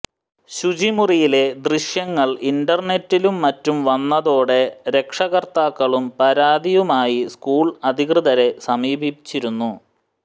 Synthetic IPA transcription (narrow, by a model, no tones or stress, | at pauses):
ɕud͡ʑimurijile̞d̪riɕjɐŋːɐɭinɖɐrne̞tːilumːɐtːumʋɐnːɐðo̞ːɽe̞ɾe̞kʂɐɣɐrt̪aːkːɐɭumpɐɾaːd̪ijumaːjiskuːɭɐd̪ʱikrɨðɐɾe̞sɐmiːbʱibit͡ɕːiɾunːu